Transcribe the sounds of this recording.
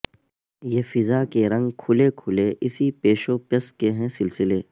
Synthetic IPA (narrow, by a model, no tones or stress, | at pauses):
jeːfɪzaːkeɾɐ̃ŋɡkʰʊlekʰʊleʔɪsipeːʃopjɐskeɦɛ̃sɪlsɪleː